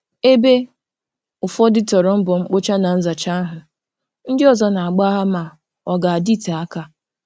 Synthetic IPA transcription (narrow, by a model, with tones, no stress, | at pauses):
e˦be˦ | ʊ˨fɔ˦dɪ˦tɔ˨ɾɔ˨m̩˦bʊ˨ŋ͡m̩˦k͡pʊ˦t͡ʃa˦na˨n̩˦za˨t͡ʃa˦ɦʊ˨ | n̩˦dɪ˦ɔ˨zɔ˦na˨a˨ɡ͡ba˦ɦa˦ma˨ | ɔ˨ɡa˨a˨di˦˨ta˨a˦ka˦